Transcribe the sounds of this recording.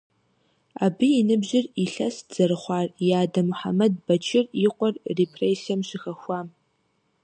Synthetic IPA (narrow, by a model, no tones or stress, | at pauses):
abɨinɨbʑɪriɬɐsz̥ɐrɨχʷaːrjaːdɐmuħa̰mɐd̚bɐt͡ʃʰɪriqʷʼɔrrepʰreːsijɐmʃɪxɐxʷam